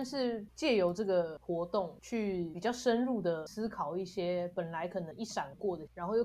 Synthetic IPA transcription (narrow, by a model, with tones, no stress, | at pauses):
ʂɻ̩˥˧t͡ɕjɛ˥˩jo˧˥ʊʈ͡ʂɤ˥˩ɡə˩xwɔ˧˥t̪o˥˩ŋt͡ɕʰy˥˩pi˨˩t͡ɕjɑ˥˩ʊʂə˦nɻu˥˩d̪ə˩sɹ̩˥kʰɑ˨˩ʊi˥˩ɕjɛ˥pə˨˩nla˧˦ɪkʰɤ˨˩nɤ˧˦ŋi˥˩ʂa˨˩nkwɔ˥˩d̪ə˩ɻa˧˦nxo˥˧j